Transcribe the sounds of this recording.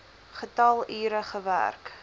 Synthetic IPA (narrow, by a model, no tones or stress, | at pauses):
χətɐlˠiːɾəχəvæ̰rk